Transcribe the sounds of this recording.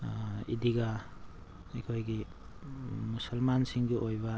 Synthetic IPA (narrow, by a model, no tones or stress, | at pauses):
id̪iɡa | ekʰojɡi | musʌlmansiŋɡiʔojba